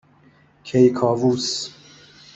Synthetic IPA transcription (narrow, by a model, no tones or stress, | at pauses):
kʰejkʰɒːvuːs